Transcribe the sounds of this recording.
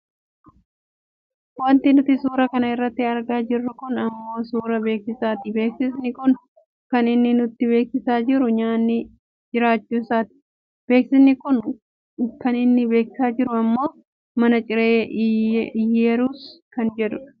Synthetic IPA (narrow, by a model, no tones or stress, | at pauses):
wɐnt̪ɪnʊt̪ɪsuːɾɐkɐnɐɪrːɐt̪ːɪɐɾɡaːd͡ʒɪrːʊkʊnɐmːo̞ːsuːɾɐbe̞ːksɪsaːt̪ɪbe̞ːksɪsnɪkʊn | kɐnɪnːɪnʊt̪ːɪbe̞ːksɪsaːd͡ʒɪɾʊɲaːnːɪ | d͡ʒɪɾaːt͡ʃːuːɪsaːt̪ɪ̥ | b̥e̞ːksɪsnɪkʊn | kɐnɪnːɪbeːkɪ̥saːd͡ʒɪɾʊɐmːo̞ː | mɐnɐt͡ʃʼɪɾeːʔɪɪjeːɾuːskɐnd͡ʒɛᶑ̪ʊᶑɐ̥